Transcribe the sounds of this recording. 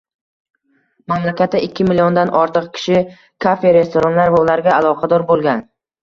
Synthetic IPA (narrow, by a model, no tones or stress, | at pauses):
mamlakʲʰat̪ʰːaɪkʲːɪmɪliond̪anʔɒɾt̪ʰɨqkʲʰɪ̥ʃɪ | kʰafe̞ɾe̞st̪oɾanlaɾvaʊlaɾɡʲaːlˠɒqʰɑd̪ɒɾbolˠɡʲan